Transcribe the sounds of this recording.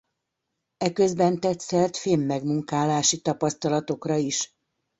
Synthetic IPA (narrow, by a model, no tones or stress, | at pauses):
ɛkø̞zbɛnt̪ɛt̪sɛrt̪feːmːɛɡmuŋkaːlaːʃit̪ɒpɒst̪ɒlɒt̪o̞krɒiʃ